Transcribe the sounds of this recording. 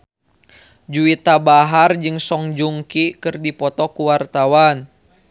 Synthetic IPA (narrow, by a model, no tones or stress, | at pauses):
d͡ʒuit̪abaɦard͡ʒɨŋsɔŋd͡ʒuŋkikɨrdipɔt̪ɔkuwart̪awan